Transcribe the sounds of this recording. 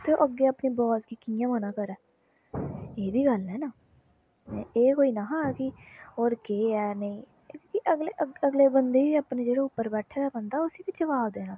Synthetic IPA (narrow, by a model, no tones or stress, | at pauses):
t̪eːo̰ːʔəɡːeːaːpniːbɔːskiːkijãːmənãːkəɾɛː | eːb̪iːɡəlnɛːnaː | eːkoːiːnaːɦãːɛːkɪoːɾkeːɛːnəĩː | kiʔəɡleʔəəɡleːbənd̪eːiːapneːd͡ʒeːɽoːʊpːəɾbɛːʈʰeːɛːbənd̪aːʊsiːbid͡ʒəʋaːbd̪eːnãː